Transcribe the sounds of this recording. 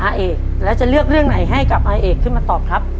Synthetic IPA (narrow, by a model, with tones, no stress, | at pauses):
ʔaː˧ʔeː˧˩ | lɛ˦˥wt͡ɕa˨˩lɯ˥˩ək̚ɾɯ˥˩əŋna˩˦jɦa˥˩jka˨˩p̚ʔaː˧ʔeː˨˩kʰːɯ˥˩nmaː˧t̪ɔː˨˩p̚kʰɾa˦˥p̚